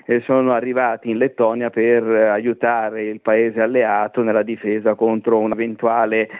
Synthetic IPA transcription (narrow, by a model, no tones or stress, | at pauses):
esːoːnoarːivaːt̪iːnlet̪ːɔːnjaperajut̪aːɾeilpaeːzealːeaːt̪onelːad̪ifeːzakont̪ɾounavent̪uaːle